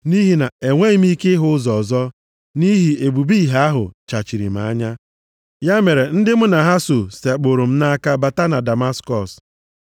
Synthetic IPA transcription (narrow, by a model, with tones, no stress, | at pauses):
ni˦ɦi˨na˨e˨ŋʷe˦i˦m̩˦i˦ke˦ɦʊ˦zɔ˨zɔ˦ | ni˦ɦi˨e˨bu˨bi˦˨ɦa˦a˦ɦʊ̰˨t͡ʃa˨t͡ʃi˨ɾḭ˨m̩˨a̰˨˦ɲa˦ | ja˦me˨ɾe˨n̩˦dɪ˦mʊ˦na˨ɦa˦so˨se˨k͡po˨ɾo˨m̩˦na˦a˦ka˦ba˨ta˦na˨da˨ma˦skɔ˨s